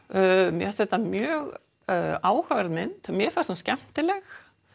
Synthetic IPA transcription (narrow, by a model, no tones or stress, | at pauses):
œːmjɛ̰hast̪ɛht̪ːamjœːɣ | aːwhavɛɾðmɪnt̪mjɛfasnscɛm̥t̪ɪlɛx